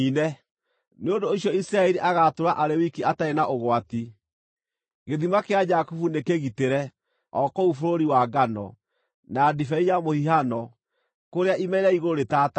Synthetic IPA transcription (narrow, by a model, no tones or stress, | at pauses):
inɛ | neondoːɕjɔisiɾaɛɾiʔaɣatoɾaʔaɾɛwikiataenaʔoɣwati | ɣeðimakead͡ʒakofunekeɣiteɾɛ | ɔkɔufoɾoɾiwaɡanɔ̰ | naːdifɛijamohiɦanɔ | koɾeaʔimɛiɾɛiɣooɾetata